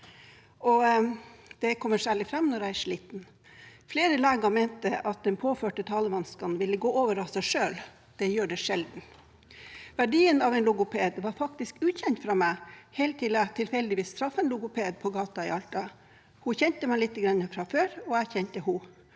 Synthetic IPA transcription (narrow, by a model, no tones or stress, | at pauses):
ɔ | d̪̥ɛkʰɔmːəʂæːɭɪfɾɑmːnɔɾæɪæʂɭiːt̪n̩ | fleːɾəleːɡɑmeːnt̪əʔɑt̪̚d̪ɛnpʰoːføːʈət̪ʰɑːləʋɑnskɑnnʋɪlːəɡoːoːʋəɾɑsæɪʂøːl | d̪̥ɛjøːɖɛʂɛld̪n̩ | ʋæɖiːənɑʋɛnlʊɡʊpʰeːd̪ʋɑɾfɑk̚t̪ɪskʉːçɛnt̪fɾɑmæɪheːlt̪ʰɪlæt̪ʰɪlfɛld̪ɪʋiːst̪ʰɾɑfːɛnlʊɡʊpʰeːd̪̚pʰɔɡɑːt̪ɑɪ̰ɑlt̪ɑ | hʊçɛnt̪əmæɪlɪt̪ːəɡɾɑnːəfɾɑføːɾɔæçɛnt̪əhʊ